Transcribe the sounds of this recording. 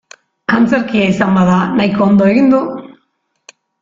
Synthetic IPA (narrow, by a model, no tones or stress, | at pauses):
kant͡seɾkiaisambaðanajkoːnd̪oe̞ɣind̪u